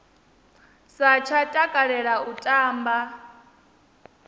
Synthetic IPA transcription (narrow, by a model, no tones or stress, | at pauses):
sat͡ʃʰatʼakʼaɺɛɺautʼaːmba